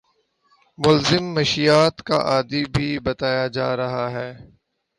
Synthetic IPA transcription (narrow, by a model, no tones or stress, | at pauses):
mʊlzɪmːɐʃijaːt̪ka̰ʔaːd̪ibʱibɐt̪aːjad͡ʒaːɾɐɦaɦɛː